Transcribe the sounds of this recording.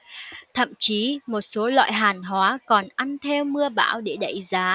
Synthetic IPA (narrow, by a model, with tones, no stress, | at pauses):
t̪ʰə̰˧˨mt͡ɕi˨˦mo˨˩t̚so˨˦lwa̰ː˧˨jɦaː˨˩nɦwaː˨˦kɔ˨˩nʔa˧nt̪ʰe˧wmɨ˧əɓa̰ː˧˩wɗe˧˩ɗə̰˧˨jzaː˨˦